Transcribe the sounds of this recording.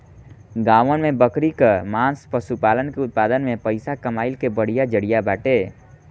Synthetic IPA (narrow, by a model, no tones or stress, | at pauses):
ɡaːʋənmẽbəkɾikəɾmãːnspəʃupaːlənkeʊt̪̚paːd̪ənmẽpəɪsakəmaːɪlkebəɽ̤ijad͡ʒəɽijabaːʈeː